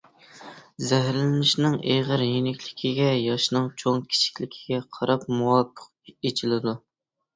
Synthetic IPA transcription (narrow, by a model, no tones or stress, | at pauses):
zæɦɾlɪnɪʃnɪŋeʁəɾjinɪkʲlɪkʲʰiɡʲɛjɑʃnɨŋt͡ʃʰoŋkʲʰi̥t͡ʃʰi̥kʲlɪkʲʰiɡ̥ʲɛqʰɑɾɑp̚muwɑpʰːə̥q̚ | et͡ʃʰilɪd̪u